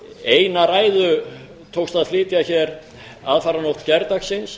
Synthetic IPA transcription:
eːjnaɾaːjðʏ | t̪ʰowkst̪aðflɪːt̪jaçɛɾ | aðfaːɾanowht̪cɛɾt̪aksɪns

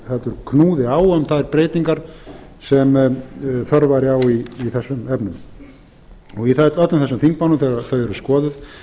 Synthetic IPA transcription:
θat̪ʏɾkʰnuːðɪaːwœmθaðɛɾpɾeːjt̪niŋkaɾ̥sɛm | θœɾvaɾjawiiθɛsːʏmɛpnʏm | ɔɣiθɛt̪œt̪lɪmθɛsʏmθiŋkmawnʏmθeɾaθœðɛɾʏskɔːðʏ

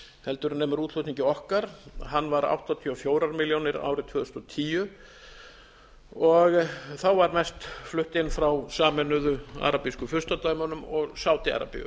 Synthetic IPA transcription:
hɛlt̪ʏɾnɛːmʏɾut̪l̥ɔht̪niɲcɪɔhkaɾ̥ɦanːvaɾa̰wht̪ɔt̪ʰiɔfjoːwɾaɾmiljownɪɾa̰ːwɾɪt̪ʰvʏːðʏst̪ɔt̪ʰiːjʏ | ɔɣθawvaɾmɛst̪flʏht̪ɪnːfɾawsaːmɛnʏðʏa̰ɾapiskʏfʏr̥st̪at̪aːɥmanʏmɔɣsaːwt̪ɪa̰ɾa̰pɪ̰ʏ̰

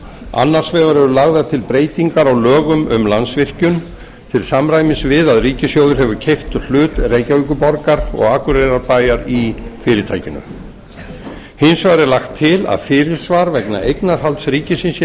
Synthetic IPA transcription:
a̰nːaɾ̥svɛːɣaɾɛɾʏlaɣðaɾ̥t̪ʰɪlpɾeːjt̪iŋkaɾawlœːɣʏmʏ̰mlansvɪr̥cʏn | t̪ʰɪlsamɾaːjmɪsvɪðaðriːcɪsjowðʏɾ̥ɦɛvʏcʰejft̪l̥ʏːt̪reːjcavik̬ʏpɔɾkaɾɔ̰ɣaːkʏɾeɾaɾpaːjaɾifɪːɾɪɾt̪ʰaːjcɪnʏ̰ | hɪnsvaːɾɛlaxt̪ʰːɪla̰ðfɪːɾɪɾ̥svaːɾvɛkna̰ʔejknaɾ̥halt̪sɾiːcɪsɪnsjɛ

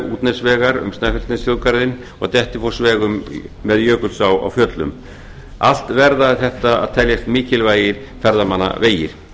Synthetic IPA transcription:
uːt̪nɛsvɛːɣaɾʏ̰mst̪nafɪl̥t̪nɪsjoːwkaɾðɪn | ɔ̰ɣt̪ɛht̪ɪfowsvɛːɣʏmːɛðjœːkʏlsawa̰wfœːt̪lʏ̰m | a̰l̥t̪vɛɾðaθɛht̪aa̰ðt̪ʰɛljast̪mɪːcɪlvaːjɪɾ̥ | fɛɾðamanːa̰veːjɪɾ̥

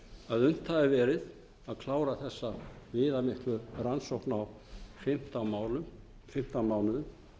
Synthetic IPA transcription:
aðʏn̥t̪ʰːaɪɾvɛːɾɪð | aðkʰlaːwɾaθɛsːavɪːðamɪhk̪lʏransowhknaw | fɪm̥t̪amaːwlʏm | fɪm̥t̪amaːwlʏðʏm

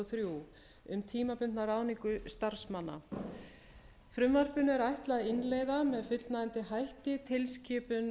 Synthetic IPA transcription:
θɾju | ʏmt̪ʰiːmapʏnt̪naɾaːwniŋkʏst̪aɾ̥smanːa̰ | fɾʏmvar̥pʏnɛɾajht̪laɪnleːjðamɛðfʏt̪l̥naɪnt̪ɪɦajht̪ɪt̪ʰɪlscɪːpʏn

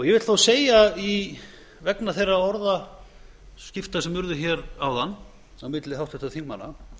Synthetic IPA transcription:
ɔɣjɛvɪt̪θowseːjai | vɛknaθejraɔɾða | scɪft̪asɛmvʏɾðʏçɛɾawðanː | awmɪt̪lɪɦawht̪ɛht̪aθiŋkmanːa̰

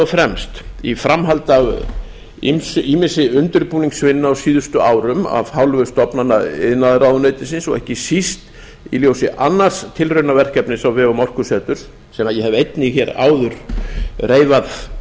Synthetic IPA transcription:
ɔfɾɛmst̪ifɾamɦalt̪av | ḭmsʏiːmɪnsɪʏnt̪ʏɾpuːniŋsvɪnːʏawsiːðʏst̪ʏʔaːwɾʏma̰vhawlvʏst̪ɔpnanːaɪ̰ðnaðɪɾawðʏnœːɥt̪ɪs̬ɪnsɔ̰ɣɛhcɪsist̪ | iljoːwsɪʔanːar̥st̪ʰɪlrʏɥnavɛr̥kɛpnɪsawvɪawmɔr̥kʏsɛːt̪ʏɾ̥ | sɛːmaðjɛhɛvejt̪nɪçɛːɾa̰ːwðʏɾ̥reːjvað

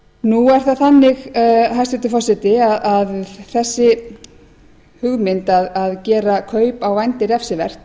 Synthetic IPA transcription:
nuɛɾ̥θaðθanːɪɣɦajst̪ɛt̪ʏfɔsɛt̪ɪaðaðθɛsːɪ | hʏɣmɪnt̪aðaðcɛːɾakʰœːɥpawvajnt̪ɪɾɛfsɪvɛr̥t̪

